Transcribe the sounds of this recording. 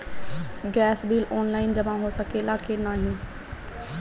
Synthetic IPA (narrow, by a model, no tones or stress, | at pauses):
ɡɛːsbiːlɔːnlaːɪnd͡ʑɐmãɦoːsɐkʰeɪlaːkʰenaːɦijũː